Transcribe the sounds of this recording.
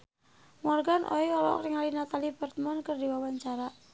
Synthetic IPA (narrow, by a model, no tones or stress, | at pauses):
ŋɔrɡanʔɔ̰iɔlɔ̰kɾɪŋalinat̪alibərt̪əmɔnkərdiwawaɲt͡ʃaɾa